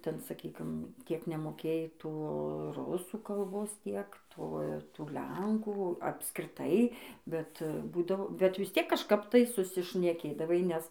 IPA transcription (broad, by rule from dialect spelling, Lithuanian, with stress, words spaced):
ˈtʲɛn sɐˈkʲiːkʲɪm ˈtʲiɛk nʲɛmoːˈkʲeːjɛɪ ˈtoː ˈrʊsuː kɐlˠˈboːs ˈtʲiɛk ˈtoː ˈtuː ˈlʲɛŋkuː ɐpskrʲɪˈtɐɪ bʲɛt ˈbuːdɐʋoː bʲɛt ʋʲɪs ˈtʲiɛk kɐʃˈkɐp tɐɪ sʊsʲɪʃʲnʲɛˈkʲeːdɐʋɐɪ nʲɛs